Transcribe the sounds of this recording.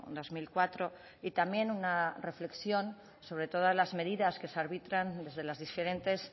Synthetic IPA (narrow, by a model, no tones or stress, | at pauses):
d̪o̞zmilkwat̪ɾo̞ | it̪amje̞nunare̞fle̞ksjo̞n | so̞βɾe̞t̪o̞ð̞azlazme̞ð̞iðaske̞seaɾβit̪ɾand̪e̞zðelazðife̞ɾe̞nt̪e̞s